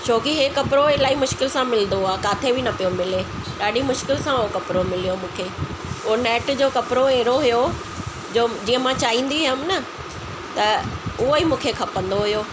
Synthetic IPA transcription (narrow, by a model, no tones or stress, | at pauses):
ʃʰoːkiɦeːkɐpɪɾoelaːimʊʃkɪlsãmɪlnd̪oaːkaːt̪ʰebʱinɐpijomɪle | ɗaːɗimʊʃkɪlsãʊɦokɐpɾomɪlijomũːkʰeː | ʊːnɛːʈd͡ʑoːkɐpɾoeːɾoɦʊjo | d͡ʑoːd͡ʑiːə̃mãt͡ɕaːɦĩːn̆d̪iɦəmnɐ | t̪ɐʊɦoimũːkʰekʰɐpə̃nd̪oɦʊjoː